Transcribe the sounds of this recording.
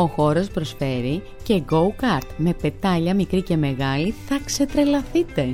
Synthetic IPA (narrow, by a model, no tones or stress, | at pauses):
o̞xo̞ɾo̞spɾo̞sfe̞ɾi | ce̞ɡo̞ukɐɾt̪me̞pe̞t̪ɐʎɐmikɾice̞me̞ɣɐliθɐkse̞t̪ɾe̞lɐθit̪e̞